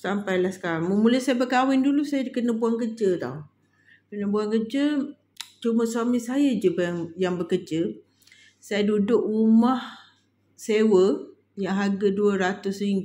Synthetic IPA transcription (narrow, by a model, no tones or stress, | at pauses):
sampajlahsə̥kaɾaŋməmuləsajəbəkawɪndulusajəkənəbuaŋkəd͡ʒət̪a̰w | kənəbuaŋkəd͡ʒə | t͡ʃuməsuamisajəd͡ʒəbŋjaŋbəkəd͡ʒə | sajədudʊʔrumah | sewə | jaɦaɡaduəɾat̪ʊsiŋ